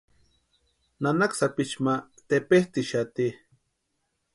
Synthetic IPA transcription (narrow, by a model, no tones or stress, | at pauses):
nanaksapit͡ʃma | t̪epeht̪iʃat̪i